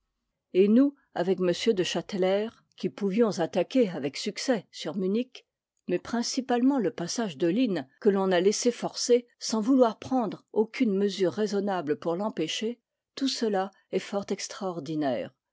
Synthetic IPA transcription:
enu | a̰vɛkməsjød̪əʃat̪lɛːʁ | kʲipuvjɔ̃zat̪akʲeavɛksyksɛsyʁmynik | mɛpχɛ̃sipalmɑ̃ləpasaʒd̪əlinkəlɔ̃nalesefɔʁsesɑ̃vulwaʁpχɑ̃d̪ʁokʲynməzyʁːezɔnabləpuʁlɑ̃peʃe | t̪usəla | ɛfɔʁt̪ɛkst̪χaɔʁd̪inɛ̰ːʁ

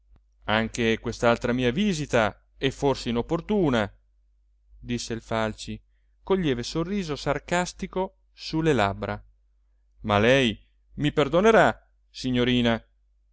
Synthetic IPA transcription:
aŋk̟ekwest̪alt̪ɾamiːaviːzit̪a | ɛfːorseinopːort̪uːna | d̪isːeilfalt͡ʃi | koʎːɛːvesorːiːzosarkast̪iko | sulːelabɾa | malɛj | miperd̪oneɾa | siɲːoɾiːna

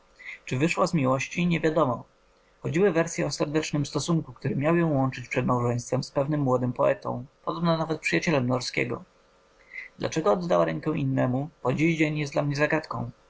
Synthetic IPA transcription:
t͡ʂɘvɘʂwazmʲiwɔɕt͡ɕiɲɛvʲjad̪ɔmɔ | xɔd͡ʑiwɘvɛɾsʲjɛɔsɛɾd̪ɛt͡ʂnɘmst̪ɔsuŋkukt̪uɾɘmʲjawjɛ̃w̃wɔnt͡ʂɘt͡ɕpʂɛd̪mawʐɛj̃st̪fɛmspɛvnɘmːwɔd̪ɘmpɔɛ̰t̪ɔ̰̃w̃pɔd̪ɔbnɛnavɛt̪̚pʂɨjat͡ɕɛlɛmnɔɾskʲɛ̰ɡɔ̰ | d̪lʔa̰t͡ʂɛɡɔɔd̪ːawaɾɛŋkɛ̃ʔinːɛmupɔd͡ʑiʑd͡ʑeɲjɛsd̪lamɲɛzaɡat̪kɔ̰̃w̃

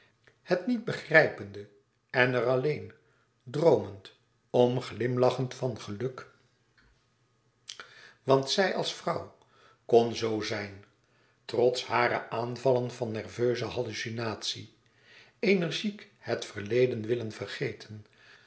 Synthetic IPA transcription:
hətnid̚bəχrɛjpəndə | ɛnərɑlejn | drowmənt | ɔmχlɪmlɑχəntfɑnχəlɵk | ʋɑntsɛjʔɑ̰lˠsfrɑw | kɔnzowzɛjn | trɔtshaːɾə̰ʔaːnvɑlənvɑnːɛrvøɥzəɦɑlysinaːtsi | ejnɛɹʒik | hətfəɹlejdənʋɪlənvərχejtʰən

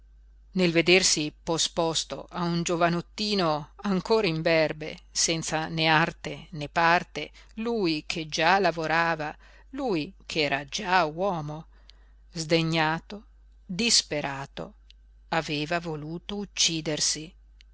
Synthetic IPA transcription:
nelved̪ersipospɔst̪o̰ʔaund͡ʒovanot̪ːiːnoaŋkoːɾaiɱbɛrbḛsɛnt̪saneart̪enepart̪e | lujkʰed͡ʒalavoɾaːva | lujkʰɛːɾad͡ʒawɔːmo | zd̪eɲːaːt̪o | d̪ispeɾʔaːt̪o̰ | aveːvavoluːt̪out͡ʃːiːd̪ersi

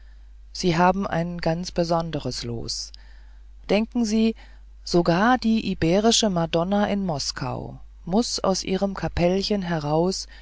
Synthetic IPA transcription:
z̥iːɦaːbm̩ʔa̰ɪnɡant͡sb̥əzɔndəʁəslo̰ːs | d̥ɛŋkŋ̩ziː | z̥oɡaːɐd̥iːʔibeːʁ̞ɪʃəmadɔnaʔɪnmɔskʰa̰ʊ | mʊsa̰ʊsʔḭːʁ̞əmkʰapʰɛlçənɦɛʁ̞aʊs

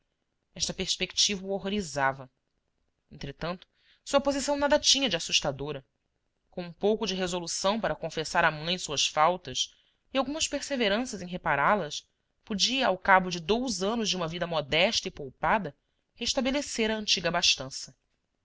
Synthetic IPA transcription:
ɛʃt̪ɐpeɾspeki̥t͡ʃivɐuoɦoɾizavɐ | ẽnt̪ɾet̪ɐ̃nt̪ʊ̥ | suɐpozisɐ̃w̃nad̪ɐt͡ʃĩɲɐd͡ʒasuʃt̪ad̪oɾɐ | kõũpowkʊd͡ʒɪɦezolusɐ̃w̃paɾɐkõfesaɾamɐ̃j̃ẽsuɐsfawt̪ɐs | iawɡũmɐspeɾseveɾɐ̃sɐzẽj̃ɦepaɾalɐs | pod͡ʒiɐawkabʊd͡ʒɪd̪owzɐ̃nʊzd͡ʒɪũmɐvid̪ɐmɔd̪ɛʃt̪ɐipowpad̪ɐ | heʃt̪abeleseɾɐə̃nt͡ʃiɡɐbaʃt̪ɐ̃sɐ

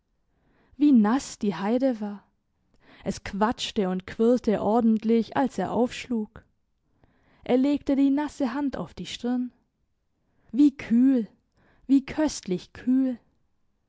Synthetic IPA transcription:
viːnasd̥iːhaɪdəvaːɐ | ʔɛskʰv̥at͡ʃtəʊntkʰv̥ɪltʰəʔɔɐdn̩tʰlɪça̰lseːɐʔaʊfʃluːɡ̥ | ʔeːɐleːɡ̥tədiːnasəɦanda̰ʊfd̥iːʃtɪɐn | viːkʰyːl | viːkʰœstlɪçkʰyːl

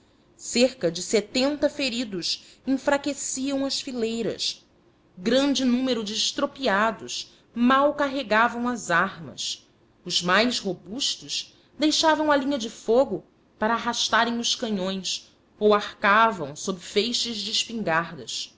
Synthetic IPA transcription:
seɾkɐd͡ʒɪset̪ẽnt̪ɐfeɾid̪ʊʃĩŋfɾakesiɐ̃w̃ɐʃfilejɾɐ̰s | ɡɾɐ̃nd͡ʒɪnũmeɾʊd͡ʒɪːʃt̪ɾopiad̪ʊs | mawkaɦeɡavɐ̃w̃ɐzaɾmɐ̰s | ʊzmajsɦobuʃt̪ʊʃ | d̪ejʃavɐ̃w̃ɐlĩɲɐd͡ʒɪfoɡʊ | paɾɐːɦaʃt̪aɾẽŋ̃ʊʃkɐ̃ɲõj̃s | owahkavɐ̰̃w̃sobɾɪfejʃɐzd͡ʒɪʃpĩŋɡaɾd̪ɐs

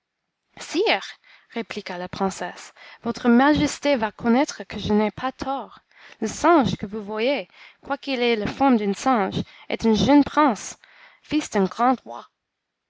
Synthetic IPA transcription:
siːʁ | ʁeplikalapχɛ̃sɛsvɔt̪χəmaʒɛst̪evakʰɔnɛt̪χəkʰəʒənɛpʰat̪ʰɔːʁ | ləsɑ̃ʒkəvuvwajekwakilɛləfɔmd̪ỹnsɛ̃ʒɛ̰t̪ỹnʒənpχɛ̃s | fisd̪ɛ̃ɡʁɑ̃d̪ʁwa̰

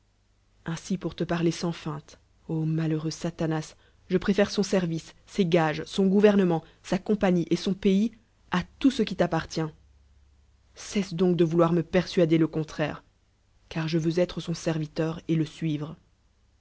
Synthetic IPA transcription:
ɛ̃sipuʁt̪əpaʁlesɑ̃fɛ̃t̪ | omaløʁøsat̪anas | ʒəpχefɛʁsɔ̃sɛʁvisːeɡaʒsɔ̃ɡuvɛʁnəmɑ̃sakɔ̃paɲiʔesɔ̃pei | at̪usəkʲit̪apaʁt̪jɛ̃ | sɛsd̪ɔ̃k̚d̪əvulwaʁməpɛʁsɥad̪eləkɔ̃t̪χɛ̰ːʁ | kaʁʒəvøzɛt̪χəsɔ̃sɛʁvit̪œʁeləsɥiːvʁ

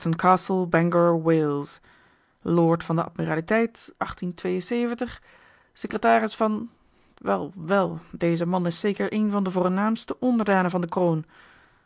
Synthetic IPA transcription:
tənkʰaːsəlˠbɛŋɡəɹweːlˠs | loːɹtfɑndəʔɑ̰tmiraːlitɛjtʔɑχtintʋejənseːvəntəχ | səkrətaːrɪsfɑn | ʋɛlˠʋɛlˠdejzəmɑnɪseːkəɹʔeːnvɑndəvoːrnaːmstəʔɔndəɹdaːnəvɑndəkroːn

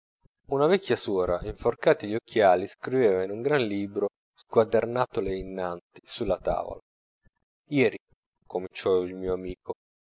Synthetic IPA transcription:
unavɛkʰʲːjasɔːɾaʔiɱforkaːt̪iʎokʰːjaːliskɾiveːvainuŋɡɾanliːbɾo | skwad̪ernaːt̪oleinːant̪i̥sulːat̪a̰ːvo̰la | jɛːɾi | komint͡ʃɔilmiːoamiːkʰo

